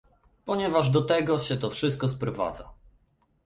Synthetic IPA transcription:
pɔɲɛvaʐd̪ɔt̪ɛɡɔɕɛt̪ɔfʂɘst̪̚kɔspɾɔva̰d̪za̰

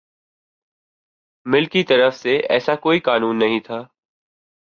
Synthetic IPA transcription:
mɪlkit̪ɐɾəfseʔɛ̰ːsakoːikaːnuːnːɐɦĩt̪ʰaː

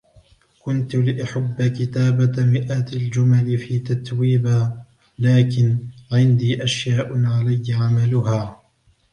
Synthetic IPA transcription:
kʊnt̪ʊlɪʔaħabːakɪt̪aːbamɪʔaːt̪ald͡ʒʊmalɪfiːt̪at̪wiːbaː | laːkɪnʕɪnd̪iːʔaʃjaːʔʊʕalajːaʕamalʊhaː

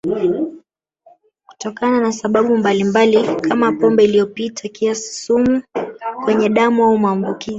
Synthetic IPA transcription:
ku̥tɔkananasaɓaɓumbalimbalikʰamapɔmbɛilijɔpitʰakiasi̥sumukwɛɲɛɗamuaumuambukizi

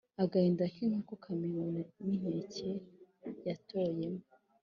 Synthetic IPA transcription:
aɡahiːndakiŋ̥akokʰamenonanin̥ecejatʰojemo

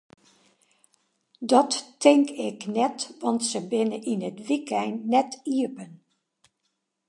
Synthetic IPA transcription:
dɔtːɪŋkɪknɛtʋɑntsəbɪnəʔinətʋikɛjnːɛtiəpən

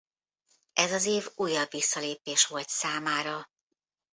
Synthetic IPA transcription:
ɛzɒzeːvuːjːɒbvisːɒleːpeːʃʋo̞lt̪saːmaːɾɒ

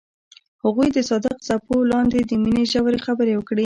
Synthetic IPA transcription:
haɣujd̪əsɑd̪əqsapolɑnd̪ed̪əmineʒawɾexabəɾewəkɽi

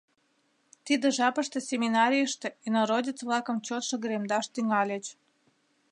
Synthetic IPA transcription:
t̪id̪ĕʒɑpəʃt̪esʲemʲinɑɾʲijəʃt̪ĕinoɾodʲit͡sβlɑkəmt͡ɕot̪ʃə̆ɣəɾemd̪ɑʃt̪yŋɑlʲet͡ɕ

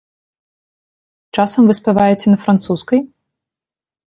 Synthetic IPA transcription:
t͡ʂasɐmvɨspʲɛvajɛt͡sʲɛnɐfɾɐnt̪suskɐj

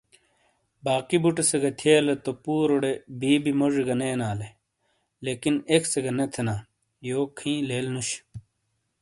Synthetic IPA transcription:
baːkibuʈeseɡɐt̪ʰeːlɐt̪opuːɾoɽebiːbimoʐeɡɐneːnaːle | leːkinekseɡɐnɐt̪ʰenaː | joːkʰĩːleːlnuɕ

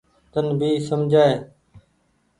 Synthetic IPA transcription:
t̪ənbʱiːsəmd͡ʒʱaːeː

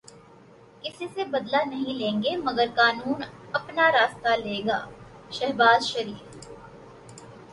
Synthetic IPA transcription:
kɪsisebɐd̪lanɐɦĩlẽːŋɡemɐɡəɾkaːnuːnɐpnaɾaːst̪aleːɡa̰ːʃɛɦbaːzʃɐɾiːf

